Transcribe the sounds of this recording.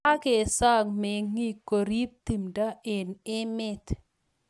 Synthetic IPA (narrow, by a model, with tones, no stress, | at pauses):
a˦ke˨sa˦ŋmɛ˨ŋi˦kːo˨ɾi˦p̚t̪i˨mda˦e˨nɪ˦mɪ˦t̪